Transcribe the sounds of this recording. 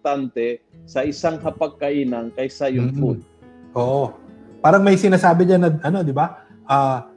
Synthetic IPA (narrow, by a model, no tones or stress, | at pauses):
t̪ant̪ɛ | sɐʔɪsaŋhɐpɐɡ̚kɐʔiːnɐŋkɐjsɐjʊŋpʊd̪̚ | ʔoːʔopaːɾɐŋmɐjsɪnaːsaːbɪɲanːɐʔɐno̞d̪ɪba | ʔaː